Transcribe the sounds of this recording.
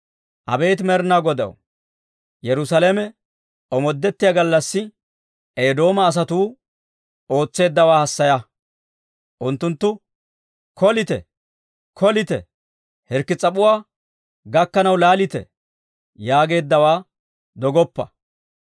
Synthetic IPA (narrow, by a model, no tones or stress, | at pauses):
ʔɐ̰be̞ːt̪mɛɾnaɡɔd̪ɐ̰w | jɛɾʊsalemɛ | ʔɔmɔd̪ːɛt̪ːɪjaɡɐlːɐsːɪ | ʔeːd̪o̞ːmɐːs̬ɐt̪uː | o̞ːt͡sːe̞ːd̪ːɐwaːhɐsːɐjɐ | ʔʊnt̪ːʊnt̪ːʊ | kɔlɪt̪ɛ̰ | kʰɔlɪt̪ɛ̰ | hɛɾkːɪt͡sʼɐpʼʊwaː | ɡɐkːɐnɐwlaːlɪt̪ɛ̰ | jaːɡe̞ːd̪ːɐwaː | d̪ɔɡɔpːɐ̰